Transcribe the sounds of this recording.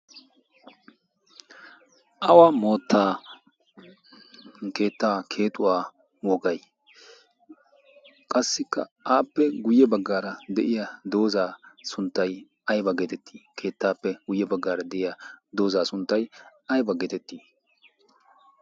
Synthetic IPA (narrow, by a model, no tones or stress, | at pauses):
ʔɐwamoːt̪ːaː | ke̞ːt̪ːaːkʰe̞ːt̪ʼʊwaː | wɔɡɐj | kʼɐsːɪkːɐ̰ʔaːpːɛɡʊjːɛbɐɡːaːɾɐd̪ɛʔɪjɐd̪o̞ːzaːsʊnt̪ːɐj | ɐjbɐɡet̪ɛt̪ʰːi̥ːkʰe̞ːt̪ːaːpːɛɡʊjːɛbɐɡːaːɾɐd̪ɛʔɪjɐd̪o̞ːzaːsʊnt̪ːɐjɐjbɐɡeːt̪ɛt̪ːiː